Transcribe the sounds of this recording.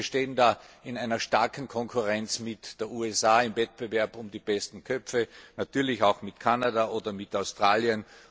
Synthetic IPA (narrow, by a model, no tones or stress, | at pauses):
ʃteːəndaːɪnaɪnɐʃtaɐkn̩kʰɔŋkʰʊʁɛnt͡smɪtd̥eːɐuːɛsaːɪmvɛt̚b̥əvɛɐbʊmdiːb̥ɛstn̩kʰœpfənatʰyːɐlɪçaʊxmɪtkʰanadaʔoːdɐmɪtaʊstʁ̥aːliən